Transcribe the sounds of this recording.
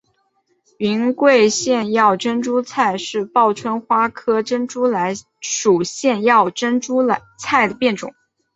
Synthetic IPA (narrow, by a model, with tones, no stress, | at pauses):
i˧˥nkwe˥˧ɪɕjɛ˥˧njɑ˥˩ʊʈ͡ʂə˥nʈ͡ʂu˥t͡sʰa˥˧ɪʂɻ̩˥˧pɑ˥˩ʊʈ͡ʂʰwə˥nxwa˥kʰɤ˥ʈ͡ʂə˥nʈ͡ʂu˥la˧˥ɪ | ʂu˨˩ɕjɛ˥˧njɑ˥˩ʊʈ͡ʂə˥nʈ͡ʂu˥˧ | t͡sʰa˥˩ɪd̪ə˩pjɛ˥˩nʈ͡ʂʊ̰˨˩˦ŋ